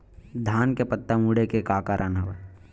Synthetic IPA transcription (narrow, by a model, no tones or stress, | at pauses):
d̪ʱaːnkepət̪ːamuːɽekekaːkaɾʔənɦɐʋeː